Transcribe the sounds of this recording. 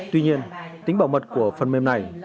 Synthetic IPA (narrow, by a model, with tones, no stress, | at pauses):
t̪wi˧ɲi˧ənt̪ï˨˦ŋ̟ɓaː˧˩wmə˨˩t̚ku˧˩əfə˨˩nme˧mna˨˩j